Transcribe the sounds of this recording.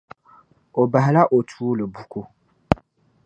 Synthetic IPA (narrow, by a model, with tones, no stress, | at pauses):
o˨ba˨ɦa˨la˦ʔo˨tʰuː˦lɨ˨bu˦ku˦